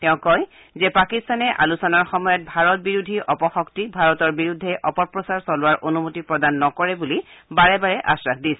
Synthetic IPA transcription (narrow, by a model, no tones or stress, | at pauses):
tɛʊ̃kɔj | zɛpakistanɛʔa̰lusɔnaɹxɔmɔjɔt̚bʱaɹɔt̚biɹudʱiʔɔpɔxɔktibʱaɹɔtɔɹbiɹudʱːɛʔɔpɔɹpɹɔsaɹsɔlʊwaɹʔonumutipɹɔdanːɔkɔɹɛbulibaɹɛbaɹɛʔa̰sɹakdis